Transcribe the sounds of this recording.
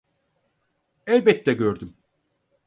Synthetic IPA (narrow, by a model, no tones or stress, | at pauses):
ɛlʲbɛt̪ːɛɟøɾd̪ym